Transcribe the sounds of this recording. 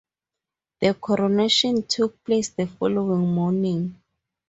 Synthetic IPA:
ðəkʰɔɹoneʃɔ̃ntʰuk̚pʰlesdəfɔlowĩŋmɔnĩŋ

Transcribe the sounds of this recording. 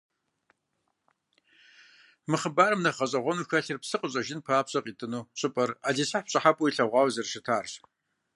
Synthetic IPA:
mɨχəbaːrɨmnɐχɐɕʼɐʁʷɔnuːxɐɬɨrpsɨqʼəɕʼɐʒɪnpʰaːpɕʼɐqʼiːtʼɨnuːɕʼɪpʼɐraːɮisaħpɕʼɐħapʼʊiɬɐʁʷɑːwzɐrʂɪtʰaːr

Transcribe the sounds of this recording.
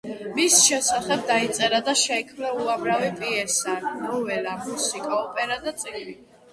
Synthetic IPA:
misʃɛsaχɛb̚d̪ait̪sʼɛɾad̪aʃɛkʰmnɛuamɾavipʼiɛsannɔvɛlamusikʼaɔpʼɛɾad̪at̪sʼiɡli

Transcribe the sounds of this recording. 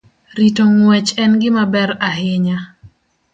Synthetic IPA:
ɾitoŋwɛt͡ʃɛnɡɪmabɛɾaɦɪɲa

